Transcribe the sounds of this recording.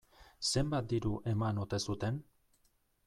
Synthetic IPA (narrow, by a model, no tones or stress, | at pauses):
se̞mbat̪̚d̪iɾuʔe̞manot̪e̞sut̪e̞n